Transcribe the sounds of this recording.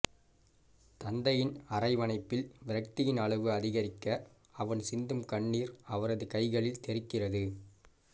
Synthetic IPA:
t̪ɐnd̪ɐjɪnɐrɐɪʋɐnɐɪpːɪlʋɪɾɐk̚t̪ɪjɪnɐɭɐʋɯɐðɪɣɐɾɪkːɐː | ʋɐɳsɪnd̪ɯmkɐɳːiːɾɐʋɐɾɐðɯkɐɪɣɐɭɪlt̪ɛɾɪkːɪrɐðɯ

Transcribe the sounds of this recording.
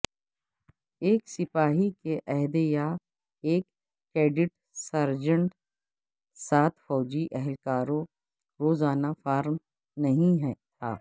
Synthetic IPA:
eːksɪpaːɦikeʔɛɦd̪ja | eːkː | ɾeːɖɪʈ | sɐɾd͡ʒə̃ɳʈ | saːt̪ʰfɔːd͡ʒiʔɛɦɛlkaːɾõ | ɾoːzaːnafaːɾm | nɐɦĩɦɛt̪ʰa̰ː

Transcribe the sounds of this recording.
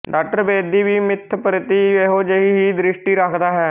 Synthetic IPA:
ɖaːk̚ʈəɾbeːd̪iːʋiːmɪt̪ʰːpɾɪt̪iːeɦoːd͡ʒeɦiːɦiːd̪ɾɪʃʈiːɾəkʰd̪aːɦɛː

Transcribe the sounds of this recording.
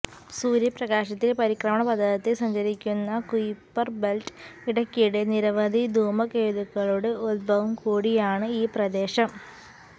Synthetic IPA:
suːɾjɐprɐɡaːɕɐt̪ːilepɐɾikrɐmɐɳɐpɐd̪ʱːɐðɐt̪ːesɐɲd͡ʑɐɾikʲːunːɐkujpːɐrbelʈiɽɐkʲːijuɽeniɾɐʋɐd̪ʱid̪ʱuːmɐkeːðuɣɐɭuɽeolbʱɐʋɐmkuːɽijaːɳɨiːprɐd̪e̞ːɕɐm

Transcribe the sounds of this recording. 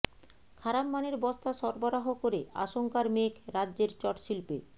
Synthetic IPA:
kʰaɾamːaneɾbɔst̪aʃɔɾboɾaɦokoɾea̰ʃoŋkaɾmekʰɾadːd͡ʑeɾt͡ɕɔʈʃilpḛ

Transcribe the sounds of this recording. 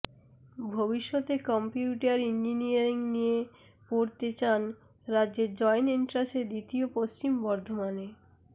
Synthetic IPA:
bʱobiʃːɔt̪ekɔmpjiuʈaɾind͡ʑinijaɾiŋnijepoɾt̪et͡ɕanɾadd͡ʑeɾd͡ʑɔjniɳʈɾased̪it̪iopost͡ɕimbɔɾd̪ʱomane

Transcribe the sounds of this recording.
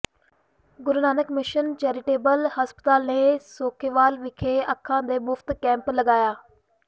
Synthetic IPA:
ɡʊɾnaːnəkmɪʃənt͡ʃɛːɾɪʈeːbəlhəspə̥t̪aːlneːsoːkʰeːʋaːlʋɪkʰeːəkʰːãːd̪eːmʊfʰt̪kɛ̃ːmpləɡaːjaː

